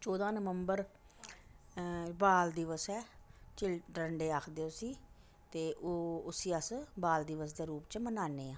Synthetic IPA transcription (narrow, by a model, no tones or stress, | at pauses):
t͡ʃɔːd̪ãːnəʋəmbəɾ | baːld̪iʋəsɛːt͡ʃɪlʈəɳɖeːaːkʰd̪eoːsiː | t̪eːʔoːʊsiːəsbaːld̪ɪʋəsd̪eːɾuːpt͡ʃmənaːneːãː